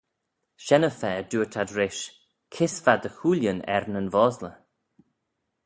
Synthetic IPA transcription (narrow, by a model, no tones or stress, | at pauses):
ʃɛnəfɛːduːɹtʰadɾɪʃ | kʰɪsvad̪əxuːljənɛ̰ɹnənvɔːzlə